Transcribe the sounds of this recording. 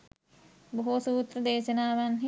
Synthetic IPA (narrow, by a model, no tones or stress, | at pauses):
boɦosuːt̪rɐd̪eːʃɐnaːʋanɦi